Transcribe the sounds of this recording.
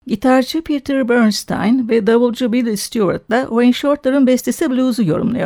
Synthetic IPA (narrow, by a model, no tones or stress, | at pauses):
ɟit̪ʰaɾt͡ʃʰɯpʰit̪ʰɛɾbøɾnst̪ʰa̰jnvɛd̪aβɯlˠd͡ʒubilʲst̪ʰjuaɾt̪lˠaʔoenʃo̞ɾt̪lˠaɾɯnbɛst̪ʰesiblʲuzujo̞̰ɾṵmlˠa̰jo